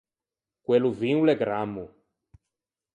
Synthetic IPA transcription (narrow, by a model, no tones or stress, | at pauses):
kweluviuleɡɾamːu